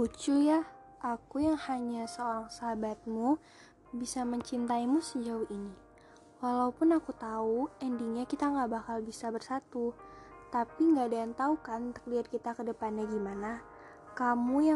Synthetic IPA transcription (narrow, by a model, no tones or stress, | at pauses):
ut͡ʃuja | ʔakujaŋhaɲasəoɾaŋsaɦabat̪̚mu | bisaməɲt͡ʃint̪aimusəd͡ʒaʊhini | walaupʊnakut̪auɛndiŋɲakit̪aŋɡabakalbisabərsat̪ut̪apiŋɡadaant̪aukant̪ə̥kliat̪̚kit̪akədəpanɲaɡimana | kamuja